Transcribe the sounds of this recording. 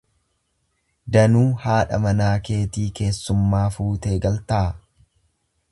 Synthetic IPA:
d̪ɐnuːhaːᶑɐ̰mɐnaːke̞ːt̪iːke̞ːsːʊmːaːfuːt̪e̞ːɡɐlt̪ɐ

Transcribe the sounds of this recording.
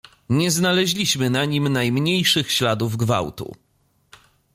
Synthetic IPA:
ɲɛznalɛʑlʲiɕmɘnaɲimnajmɲejʂɘxɕlad̪uvɡva̰wt̪ṵ

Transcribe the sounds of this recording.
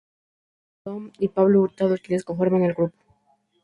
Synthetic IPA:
t̪omipaβlouɾt̪aðot͡ʃileskoɱfoɾmenelɡɾupo̥

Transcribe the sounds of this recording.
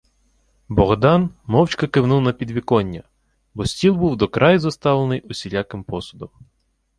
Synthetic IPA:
bɔɣd̪ɑnmɔwt͡ʃkɐkɪwnuwˠnɐpʲid̪ʋʲikɔnʲːɐ | bɔsʲtʲilˠbuwd̪ɔkɾɑjzɔst̪ɑwlˠenɪjʊsʲilʲakɪmpɔsʊd̪ɔm

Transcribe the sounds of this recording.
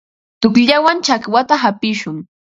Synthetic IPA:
t̪ʊkʎawant͡ʃakwat̪aɦapɪʃʊŋ

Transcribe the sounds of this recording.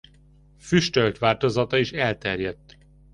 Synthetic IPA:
fyʃt̪ølt̪ʋaːlt̪ozɒt̪ɒiʃɛlt̪ɛrjɛt̪ː

